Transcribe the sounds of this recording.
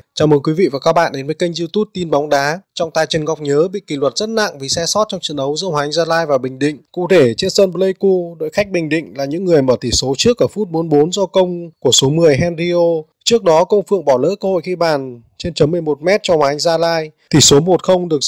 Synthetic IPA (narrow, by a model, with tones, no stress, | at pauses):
t͡ɕaː˨˩mʔəː˨˦jkwi˨˦vḭ˧˨vaː˨˩kaː˦˥k̚ɓa̰ː˧˨nɗe˨˦nvə˨˦jkə˧jŋ̟zi˧t̪u˦˥p̚t̪i˧nɓɔ˨˦wŋ͡mɗaː˨˦t͡ɕɔ˧wŋ͡mt̪aː˨˩jt͡ɕə˨˩nɣɔ˨˩wk͡p̚ɲəː˨˦ɓḭ˧˨ki˧˩lwə˨˩t̚z̥ə˦˥t̚na̰˧˨ŋvi˨˩sɛ˧sɔ˦˥t̚t͡ɕɔ˧wŋ͡mt͡ɕɨ̰˧˨nɗə˨˦wzɨ̰˧˥hwaː˨˦ŋ̟zaː˧laː˧jvaː˨˩ɓï˨˩ŋ̟ɗḭ̈˧˨ŋ̟kṵ˧˨t̪ʰe˧˩t͡ɕe˧nsəː˧nplə˧jku˧ɗo̰˧˨jxa˦˥k̟̚ɓï˨˩ŋ̟ɗḭ̈˧˨ŋ̟laː˨˩ɲɨ̰˧˥ŋːɨ˨˩əjməː˧˩t̪ʰi˧˩so˨˦t͡ɕɨ˦˥ək̚ʔəː˧˩fu˦˥t̚ɓo˨˦ənɓo˨˦nzɔ˧kə˧wŋ͡mku˧˩əso˨˦mɨ˨˩əjɦɛ˧nɾi˧ʔo˧ | t͡ɕɨ˦˥ək̚ɗɔ˨˦kə˧wŋ͡mfɨ̰˧˨əŋɓɔ˧˩lə̰ː˧˥kəː˧ho̰˧˨jxi˧ɓaː˨˩n | t͡ɕe˧nt͡ɕə˨˦mːɨ˨˩əjmo˨˩t̚mɛ˦˥t̚t͡ɕɔ˧hwaː˨˩˨ŋzaː˧laː˧jt̪ʰi˨˩so˨˦mo˨˩t̚xə˧wŋ͡mɗɨ˨˩ək̚